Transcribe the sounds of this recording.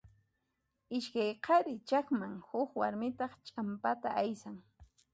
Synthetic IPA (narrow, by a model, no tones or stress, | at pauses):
ɪʃkajqʰɑɾɪt͡ʃakmaŋhʊkwaɾmɪt̪ɑχt͡ʃʼampat̪aajsaŋ